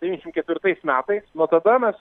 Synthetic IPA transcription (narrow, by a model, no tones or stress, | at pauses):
d̪ʲɛinʲɛʃɪmt̪kʲɛt̪ʲʋʲɪɾt̪ɐɪsmʲæːt̪ɐɪsnoːt̪ɐd̪ɐmʲɛs